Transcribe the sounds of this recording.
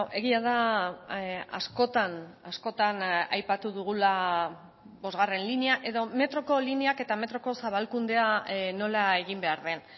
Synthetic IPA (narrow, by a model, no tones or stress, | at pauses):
ʔe̞ɣiað̞a | a̰sko̞t̪anasko̞t̪anajpat̪uðuɣ̞ula | bo̞zɣare̞nlineaʔe̞ðo̞me̞t̪ɾo̞ko̞lineake̞t̪ame̞t̪ɾo̞ko̞saβ̞alkund̪e̞ano̞lae̞ɣimbe̞aɾðe̞n